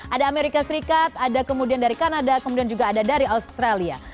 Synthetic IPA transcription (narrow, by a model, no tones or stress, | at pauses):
ʔadaːmeɾikasəɾikat̪̚adakəmudiandaɾikanadakəmudiand͡ʒuɡaːdadaɾiaust̪ɾalia̰